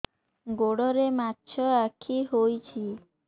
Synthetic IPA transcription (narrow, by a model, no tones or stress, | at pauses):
ɡoɽɔɾematːt͡ʃʰɔakʰiɦojt͡ʃʰi